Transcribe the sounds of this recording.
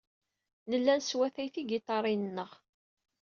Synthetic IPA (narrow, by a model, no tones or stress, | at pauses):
nəlːænswæθæjθiɡɪt̪ˤːɑɾˤinənːəʁ